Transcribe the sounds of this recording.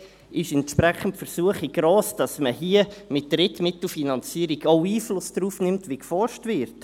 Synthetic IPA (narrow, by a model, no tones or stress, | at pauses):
ɪʃɛntʃpɾɛχən̩tfəɾsuəχiɡ̥ɾoːsd̥ɑsməhiːəmɪt̚d̥ɾɪtmɪtl̩finɑnt͡siːəɾiɡoʊiːflʊsd̥ɾuːfnɪmtʋikfɔrʃtvɪɾt